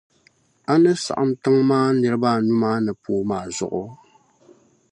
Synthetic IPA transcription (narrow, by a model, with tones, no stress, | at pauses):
a˦nɨ˦sa̰˨ʔa˦mtɨ˦ŋmaː˦nɨ˨ɾɨ˦ba˦nu˦maː˦nɨ˨poː˨˦maː˨zʊ̰˨ʔʊ˦